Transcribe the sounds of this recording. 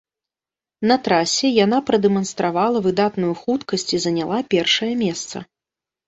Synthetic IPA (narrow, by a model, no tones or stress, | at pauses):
nɐt̪ɾasʲɛjanapɾɐd̪ɛmɐnst̪ɾavalˠɐvɨd̪at̪nujuxut̪kɐsʲt͡sʲizɐnʲalˠapʲɛrʂɐjɐmʲɛst̪sɐ̰